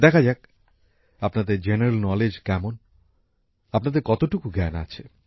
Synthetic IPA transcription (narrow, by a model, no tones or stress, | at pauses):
d̪ɛkʰad͡ʑak̚ | apnad̪eɾd͡ʑeneɾelnɔled͡ʑkɛmon | apnad̪eɾkɔt̪oʈukuɡɛna̰t͡ɕʰe